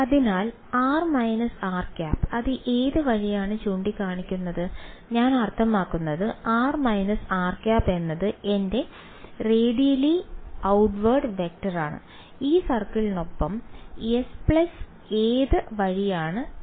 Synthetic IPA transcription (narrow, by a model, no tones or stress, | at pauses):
ɐðinaːl | aːrmɐjnɐsaːrkʲaːpːɐðɨʔeːðɨʋɐɻijaːɳɨt͡ɕuːɳɖikaːɳikʲːunːɐðɨɲaːnɐrt̪ʰɐmaːkːunːɐðɨaːrmɐjnɐsaːrkaːpːe̞nːɐðɨende̞ | reːɽijliɐwʈʋɐːrɖʋe̞k̚ʈɐraːɳɨ̰ | iːsɐrkilnopːɐmespɭɐs | eːðɨʋɐɻijaːɳɨ